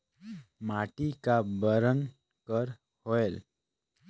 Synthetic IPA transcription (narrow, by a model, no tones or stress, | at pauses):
maʈikabəɾən | kəɾ | hoel